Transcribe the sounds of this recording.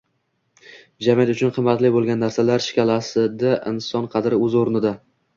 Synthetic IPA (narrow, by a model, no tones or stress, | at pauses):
d͡ʒamjat̪ʊt͡ʃʰʊnqʰɨmːat̪lɪbolˠɡʲanːaɾsalaɾʃɪ̥kʲʰalasɪd̪aʔɪ̰nsɒnqʰɑd̪ɾɪɵzoɾnɪd̪a